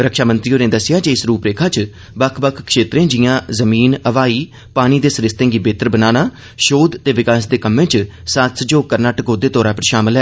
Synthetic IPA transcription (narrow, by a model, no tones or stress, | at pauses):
ɾəkʃaːmə̃nt̪ɾiːoːneːd̪əsɪjaːd͡ʒeɪsɾuːpɾeːkʰaːt͡ʃ | bəkʰbəkʰkʃeːt̪ɾẽːd͡ʒɪjãːzəmiːnəʋaːiː | paːñiːd̪eːsɾɪst̪ẽːŋɡiːbeːt̪əɾbənaːnaː | ʃoːd̪t̪eːʋɪkaːsd̪eːkəmːẽːt͡ʃ | saːt̪sd͡ʒoːkəɾnaːʈəkoːd̪eːt̪ɔːɾaːpəɾʃaːməlɦɛː